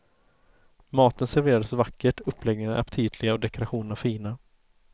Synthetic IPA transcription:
mɑːt̪ənsæɾveːɾad̪əsvakːəʈɵpʰːlɛɡnɪŋaʔa̰pt̪ʰiːd̪lɪɡaɔd̪ɛkʊɾaɧuːnənafiːna

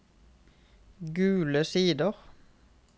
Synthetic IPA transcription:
ɡʉːləsiːd̪əʁ

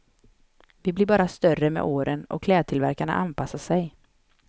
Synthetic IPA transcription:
vɪblɪɾbɑːɾast̪œrːəmɛ̰ʔoːɾənɔ̰kʰlɛːd̪̚t̪ʰɪlvæɾkaɳa̰ʔanpʰasːasɛj

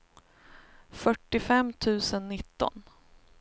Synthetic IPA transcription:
fœʈːɪfɛmːt̪ʰʉ̟ːsənːɪt̪ːɔ̰n

